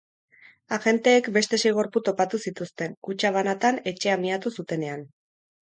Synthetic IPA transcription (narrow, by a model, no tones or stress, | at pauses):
aɣe̞nt̪e̞ːkbe̞st̪e̞sejɣo̞ɾput̪o̞pat̪usit̪ust̪e̞ŋkut͡ʃaβ̞anat̪ane̞t͡ʃe̞amiat̪usut̪e̞ne̞an